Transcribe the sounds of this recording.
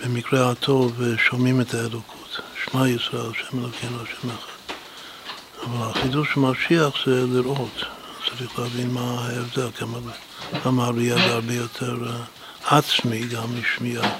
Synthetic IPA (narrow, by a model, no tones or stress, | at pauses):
b̥emikɾehatʰoveʃomimetaelokʰutʃnajut͡sɾaalʃemelokʰimlaʃemaχe | avalaχiduʃmaʃiaχz̥ɛliɾʔot | t͡saɾiχleavinmahaevdelɡama | ɡamaɾiaɡaɾbejotʰeɾ | at͡smiɡamiʃmia